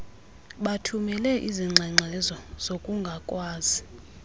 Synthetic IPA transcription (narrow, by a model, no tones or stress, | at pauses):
ɓatʰumɛlɛʔiziŋ͡ǁʱɛŋ͡ǀʱɛzɔz̥okʼuŋɡʱakʼwaːzi